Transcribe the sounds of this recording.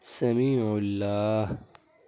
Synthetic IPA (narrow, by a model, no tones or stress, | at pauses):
sɐmiːʕʊlːaːh